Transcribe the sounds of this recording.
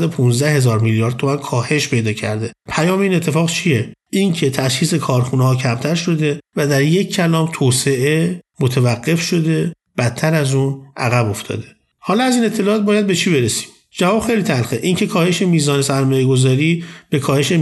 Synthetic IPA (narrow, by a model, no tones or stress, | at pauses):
d̪opʰunzd̪æhe̞zɒːɾmiljɒːɾd̪̚tʰːo̞mænkʰɒːhe̞ʃpʰe̞jd̪ɒːcʰæ̰ɾd̪e̞pʰæjɒːmeiːne̞t̪ʰːe̞fɒːɣt͡ʃʰijeʔincʰe̞t̪ʰæʃxiːse̞kʰɒːɾxunehɒːcʰæmt̪ʰæɾʃo̞d̪e̞væd̪æɾjeccʰːælɒːmt̪ʰoːse̞ʔe̞mot̪ʰevæɡːe̞fʃo̞d̪e̞ | b̥æt̪ʰːæɾæzuːnʔæɣæbo̞ft̪ʰɒ̰ːd̪e̞ | hɒːlɒæziːne̞t̪ʰːe̞lɒːt̪̚bɒːjæd̪̚be̞t͡ʃʰiːbe̞ɾesi̥ːm | d͡ʒævɒːb̥xe̞jlit̪ʰælxeʔiŋcʰe̞kʰɒːhe̞ʃe̞miːzɒːnesæɾmɒːjeɡo̞zɒːɾiːb̥e̞kʰɒːhe̞ʃe